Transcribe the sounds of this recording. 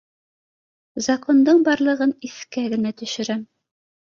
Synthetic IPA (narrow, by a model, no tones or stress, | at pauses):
zɐkond̪ɤɴbɑɾlˠɤ̆ʁɤniθkæɡɘ̆næt̪ɵ̆ʃɘ̆ɾæm